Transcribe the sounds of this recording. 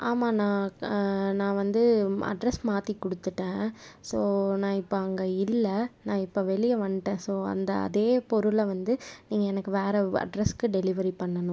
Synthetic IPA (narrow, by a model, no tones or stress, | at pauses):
ʔaːmaːnãː | nãːʋɐnd̪ɯɐ̰ɖɾɛsmaːt̪ikɔɽɯt̪ːɯʈːẽːsoːnãːɪpːoɐŋɡɐɪlːɐnãːɪpːoːʋɛɭɪjɐʋɐɳʈːẽːsoːɐ̰nd̪ɐ̰ɐ̰ðeːpɔɾɯlʋɐnd̪ɯniːŋɡɐɛnɐkːɯʋeːɾɐɐ̰ɖɾɛskːɯɖɛlɪʋɐɾipɐɳːɐnʊ̃